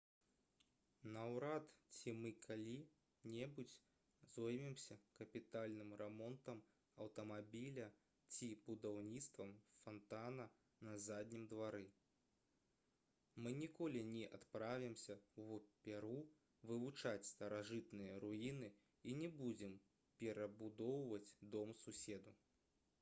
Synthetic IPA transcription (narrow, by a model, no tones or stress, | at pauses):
nɐwɾat̪t͡sʲimɨkʰalʲi | nʲɛbut͡sʲ | zɔjmʲimsʲɐkɐpʲit̪alʲnɨmrɛmɔnt̪ɐm | ɐwt̪ɐmabʲilʲɐ | t͡sʲibud̪awnʲit̪st̪vɐmfant̪anɐ | nɐzad̪ʲnʲimd̪vaɾɨ | mɨnʲikɔlʲinʲɛʔat̪pɾavʲimsʲɐwvɔpʲɛɾu | vɨvut͡ʂat͡sʲst̪ɐɾaʐɨt̪nɨjɐɾuinɨ | inʲɛbud͡zʲɛm | pʲɛɾɐbud̪ɔwvɐt͡sʲd̪ɔmsusʲɛd̪u